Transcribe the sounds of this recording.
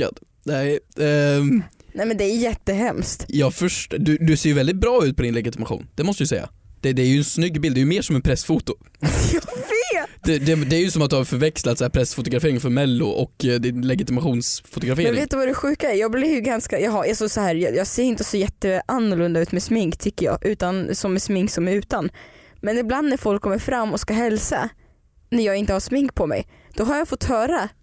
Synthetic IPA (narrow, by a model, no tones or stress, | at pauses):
a̰d̪ | nɛ | nɛjmɛnd̪ɛæjjɛt̪ːəɦɛmst̪jɑːfœʂʈd̪ɵd̪ɵseːɾjʏvɛld̪ɪt̪̚bɾɑːʉ̟ːt̪̚pɔd̪ɪnlɛɡɪt̪ɪmaɧṵːnd̪̥ɛmɔst̪əd̪ʏsɛjːa̰ | d̪̥ɛd̪ɛæɾjɵɛnsnʏɡːbɪld̪ɛjɵmeːʂɔmɛnpʰɾɛsfut̪ʊ | jɑveːd̪ɛd̪ɛd̪ɛæːɾjɵsɔmat̪d̪haɾfœɾvɛkslat̪sæːpʰɾɛsfʊt̪ʊɡɾafeːɾɪŋfœɾmɛlːʊ̰ʔɔkd̪ɪnlɛɡɪt̪ɪmaɧuːnsfʊt̪ʊɡɾafeːɛɾɪɪveːt̪d̪ɵvad̪ɛɧʉ̟ːkaɛɾjɑːɡblɪɡanskajɑːɦaɾasɔsahæːɾjɑjɑːɡseːɾɪnt̪əsɔjɛt̪ːəʔanːʊɭɵnd̪aʉ̟ːt̪mɛsmɪŋkt̪ʰʏkːəɾjɑ̰ːɡʔʉ̟ːt̪ansɔmːɛsmɪŋksɔmæɾʉ̟ːt̪anmɛnɪbland̪næɾfɔlkʰːɔmːəɾfɾamːɔskaɦɛlsa̰ | næɾjɑːɡɪnt̪əhasmɪŋkpʰɔmɛ̰j | d̪̥ɔɦaɾjɑːfɔt̪ːhœːɾa